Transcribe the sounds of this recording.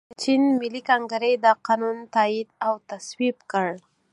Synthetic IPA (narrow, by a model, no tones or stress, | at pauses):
t͡ʃinmɪlikaŋɡaɾejd̪əqɑnunt̪ɑid̪awt̪aswibkəɽ